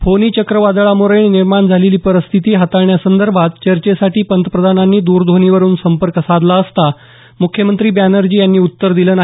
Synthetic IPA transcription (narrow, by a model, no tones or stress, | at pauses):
foniːt͡ɕəkɾəʋad̪ɭamuɾəɳiniɾmaɳd͡zʱaleliːpəɾəst̪ʰit̪iːɦat̪aɳjasənd̪əɾbʱat̪̚t͡ɕəɾt͡ɕesaʈiːpənt̪əpɾəd̪ʱananːiːd̪uːɾd̪ʱoniːʋəɾuːnsəmpəɾkəsad̪laəst̪a | mukʰjəmənt̪ɾiːbjanəɾd͡ʑiːjanːiːut̪ːəɾd̪iləːna